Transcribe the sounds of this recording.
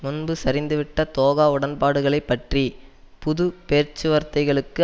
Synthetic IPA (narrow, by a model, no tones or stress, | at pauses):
mʊnbɯsɐɾɪnd̪ɯʋɪʈːɐt̪oːɣaːʊɽɐnpaːɽɯɣɐɭɐɪpːɐʈri | pʊðʊpeːɾt͡ʃːɯʋɐɾt̪ɐɪɣɐɭɯkːɯ